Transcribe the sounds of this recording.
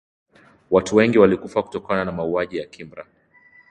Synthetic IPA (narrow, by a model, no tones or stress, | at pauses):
watuwɛŋɡiwalikufaku̥tɔkananamauaʄijakʰimbɾa̰